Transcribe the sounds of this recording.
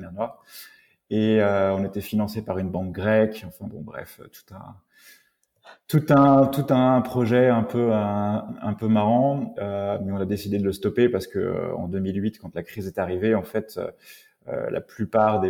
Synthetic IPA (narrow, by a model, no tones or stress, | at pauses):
mɛʁnwaʁ | eøɔ̃net̪ɛfinɑ̃sepaʁynbɑ̃k̚ɡʁɛkɑ̃fɛ̃bɔ̰̃bʁɛ̰fø̰t̪u̥t̪ɛ̰̃ | t̪ut̪ɛ̃t̪ut̪ɛ̃pχɔʒɛɛ̃pø | ɛ̰̃pømaʁɑ̃ømɛɔ̃nad̪esid̪ed̪ələst̪ɔpepaʁsə̥kəø̰ɑ̰̃d̪ømilɥit̪kɑ̃t̪lakχizɛt̪aʁiveɑ̃fɛt̪ø̰ | ø̰lʔa̰plypaʁd̪e